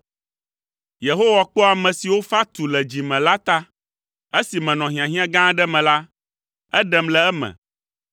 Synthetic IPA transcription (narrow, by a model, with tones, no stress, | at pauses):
je˨ɦo˦wa˨k͡pɔ˦a˨mɛ̃˨si˨wo˦fa˦t̪u˨lɛ˨d͡ʑi˨mɛ̃˨la˦t̪a˦ | e˦si˨mɛ̃˨nɔ̃˨ɦĩ˨ã˨ɦĩ˦ã˦ɡã˦ɖɛ˦mɛ̃˨la˦ | ɛ˦ɖɛ˨mlɛ˨ɛ˦mɛ̰̃˨